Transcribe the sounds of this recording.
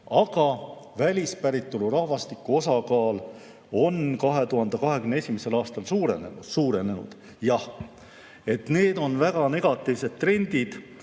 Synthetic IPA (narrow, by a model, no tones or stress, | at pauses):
ɑɡ̥ɑvælʲispæɾit̪ːˑoluɾɑhvɑst̪ikːˑuo̞sɑkɑːl | o̞nkɑɦe̞t̪uɦɑnd̪̥ekɑɦe̞kymneesʲimese̞lɑːst̪ɑlsuːɾe̞nḛnu̥suːɾe̞ne̞nṵd̪̥ | jɑh | e̞t̪ne̞ːd̪̥o̞nvæɡ̥ɑne̞ɡ̥ɑt̪ːˑivse̞d̪̥̚t̪ːre̞nʲd̪id̪̥